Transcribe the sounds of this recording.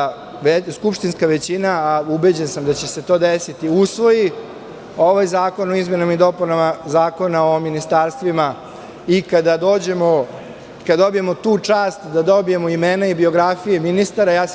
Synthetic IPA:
eskupʂt̪inskaʋet͡ɕinaːubed͡ʑensamd̪at͡ɕe̞se̞t̪o̞ːd̪esit̪iusʋo̞ji | o̞ʋajzaːko̞noizme̞nomid̪o̞punamazaːko̞nao̞minist̪aːɾst̪ʋima | ikad̪ad̪o̞ːd͡ʑe̞mo | kad̪ad̪o̞bije̞mot̪uːt͡ʂaːst̪d̪ad̪o̞bije̞moimenaibio̞ɡɾafijeminist̪aɾajaː

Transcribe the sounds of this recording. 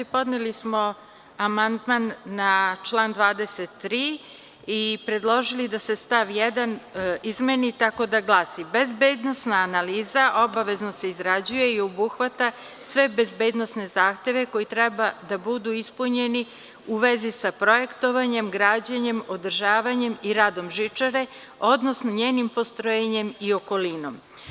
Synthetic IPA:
po̞d̪nelismo̞ | amand̪manːat͡ʃlˠaːnd̪ʋaːd̪eset̪ːɾiː | ipɾe̞d̪lˠo̞ʒilid̪ase̞st̪aʋjɛd̪anizmenit̪ako̞d̪aɡlˠaːsibezbeːd̪no̞snaːnaliːzaʔo̞baʋe̞zno̞se̞izɾad͡ʑuje̞iobuxʋat̪a | sʋe̞be̞zbeːd̪no̞sne̞zaːxt̪je̞ʋe̞ko̞jit̪ɾɛbad̪abud̪uispuɲe̞ni | uʋe̞zisapɾo̞je̞kt̪o̞ʋaɲe̞mɡɾaːd͡ʑaɲe̞mo̞d̪r̩ʒaːʋaɲe̞miɾad̪o̞mʒit͡ʂaɾe̞ | o̞d̪no̞snoɲeːnimpost̪ɾojeɲe̞mio̞ko̞lino̞m

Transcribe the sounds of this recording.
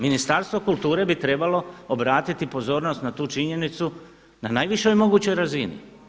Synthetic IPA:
minist̪aɾst̪ʋo̞kulˠt̪uːɾe̞bit̪ɾe̞balo̞obɾaːt̪it̪ipo̞zo̞ːɾnost̪nat̪uːt͡ʃiɲe̞nit̪su | nanajʋiʃojmo̞ɡuːt͡ɕo̞jɾazinḭ

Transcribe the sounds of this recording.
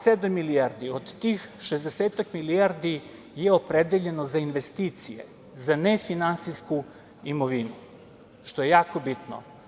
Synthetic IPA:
sed̪amːiliaɾd̪iod̪ːiːxʃezd̪eseːt̪akmilijaɾd̪i | jeopɾed̪eʎe̞nozainʋe̞st̪iːt̪sijḛ | zanefinant̪sisku | imoʋinu | ʃt̪oje̞jaːkobit̪no̰

